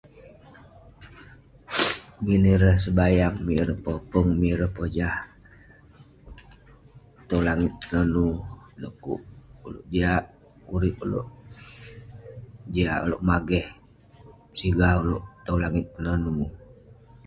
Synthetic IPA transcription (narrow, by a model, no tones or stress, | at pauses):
miniɾəhsəbajaŋmiɾəpəpəŋmiɾəhpəd͡ʒah | t̪əlaŋɪt̪̚ənənudəʔkṵʔulo̰ʔd͡ʒiaʔ | uɾɪp̚ulo̰ʔ | d͡ʒiaʔo̰loʔmaɡɛh | siɡauloʔt̪əwlaŋɪt̪̚kənənu